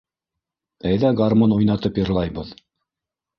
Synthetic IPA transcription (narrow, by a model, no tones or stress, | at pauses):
æjðæɡaɾmonujnɑt̪ɤpjɤ̆ɾlˠɑjβɤð